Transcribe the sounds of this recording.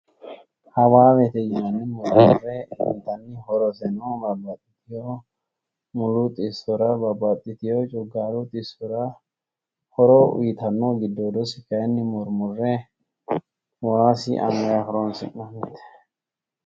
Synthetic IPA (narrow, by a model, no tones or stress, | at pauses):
hɐwaːwɛt̪ɛjɪmɐnːɪmʊɾmʊ̰rːɛɪ̰nt̪ɐnːɪhɔɾɔsɛnɔbɐbːɐt̪ʼːɪt̪ɪjɔ | mʊlʊt̪ʼɪsɔɾɐbɐbːɐt̪ʼːɪt̪ɪjɔt͡ʃʼɔɡaːlʊt̪ʼɪsɔɾɐ | hɔɾɔʊ̰jɪt̪ɐnːɔɡɪd̪ːod̪ɔsɪkɐjnːɪmʊɾmʊrːɛ | waːsɪ̰ʔɐ̰mɛɾaɦɔɾɔnsɪ̰nːɐmɛt̪ːɛ̥